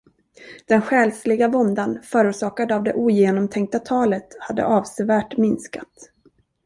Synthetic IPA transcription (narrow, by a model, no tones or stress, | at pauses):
d̪̥ɛnɧɛːlslɪɡavɔnd̪anfœːɾʊːʂɑːkad̪avd̪ɛʔuːjeːnɔmt̪ʰɛŋk̚t̪at̪ʰɑːlət̪had̪ːə̰ʔɑːvsɛvæːʈmɪnskat̪